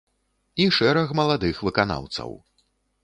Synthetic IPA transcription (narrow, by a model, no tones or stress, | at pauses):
iʂɛɾɐxmɐlˠad̪ɨxvɨkana̰wt̪sɐ̰w